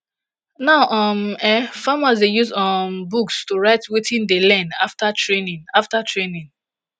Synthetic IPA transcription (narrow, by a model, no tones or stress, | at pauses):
naʊʔɔmɛfamazdejuzɔmbukstoɹaɪtwetʰĩndelɛ̃ndaftatʰɹenĩnaftatɹenĩn